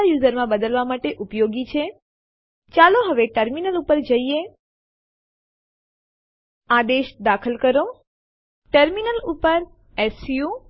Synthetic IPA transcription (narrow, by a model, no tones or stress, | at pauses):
ajuzəɾmãbəd̪əlʋamaʈeʔupjoɡit͡ʃʰe | t͡ʃaloɦəʋeʈəɾminəlupəɾd͡ʒəie | ad̪eʃd̪akʰəlkəɾo | ʈəɾminəlupəɾ | ɛsju